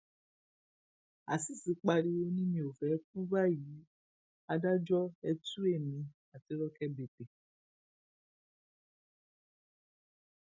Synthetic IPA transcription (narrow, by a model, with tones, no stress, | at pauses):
a˨si˦˨si˨˦k͡pa˧ɾi˧o˧nĩ˦mĩ˧˨o˨fɛ˨˦ku˦ba˦˨ji˨˦ | a˧da˦d͡ʒɔ˦ɛ˧tu˦e˦˨mĩ˨˧ | a˨ti˧˦ɾɔ˦kɛ˦be˨te˨